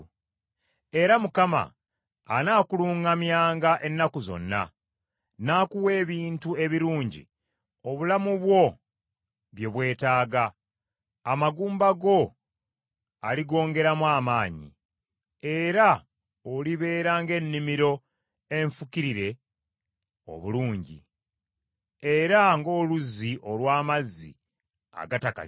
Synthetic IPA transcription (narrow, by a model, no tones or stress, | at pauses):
e̞ɾamukama̰ː | naːkuluːŋamjaːŋɡaʔe̞nːakuzo̞̰nːa̰ | naːkuwe̞ːβiːntue̞βiɾuːɲɟḭ | o̞βulamuβwo̞ | βje̞βwe̞ːtaːɡaː | maɡuːmbaɡo̞ | aliɡo̞ːŋɡe̞ɾamwaːmaːɲḭ | e̞ɾa | oliβe̞ːɾaːŋɡe̞nːimiɾo̞ | e̞ɱfukiɾiɾe̞ | o̞̰βuluːɲɟḭ | e̞ɾaŋɡo̞ːluziʔo̞lwaːmazːḭ | a̰ɡataka̰